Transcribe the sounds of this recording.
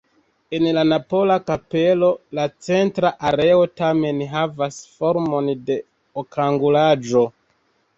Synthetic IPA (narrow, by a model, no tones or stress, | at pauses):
e̞nlanapo̞lakape̞lo̞lat͡se̞ntɾaʔaɾe̞o̞tame̞nɦavasfo̞ɾmo̞nde̞ | okaŋɡulad͡ʒo̞